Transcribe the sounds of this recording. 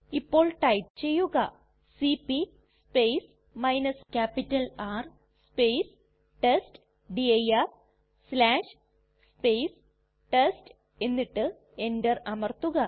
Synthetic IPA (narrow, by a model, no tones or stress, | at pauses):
ipːo̞ːɭʈɐjp̚t͡ɕe̞jːuɣɐ | sipːi | spejs | mɐjnɐskʲaːpitːɐlaːr | spejs | ʈesʈ | ɖiɐjɐf | slaːʂ | speːs | ʈesʈ | e̞nːiʈːɨ | e̞ndɐrɐmɐrt̪ːuɣɐ